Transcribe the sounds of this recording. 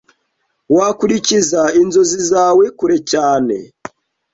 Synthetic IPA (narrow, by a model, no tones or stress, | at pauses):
wakuɾicizainzozizaːwekuɾecaːnḛ